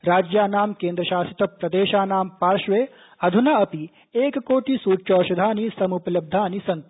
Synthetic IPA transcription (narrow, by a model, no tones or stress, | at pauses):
ɾaːd͡ʒjaːnaːmkeːnd̪ɾɐʃaːsit̪ɐpɾɐd̪eːʃaːnaːmpaːɾʃʋeː | ɐd̪ʱunaɐpi | eːkkoːʈ̪isuːt͡ʃɔːʃɐd̪ʱaːnisɐmuplɐb̚d̪ʱaːnisɐnt̪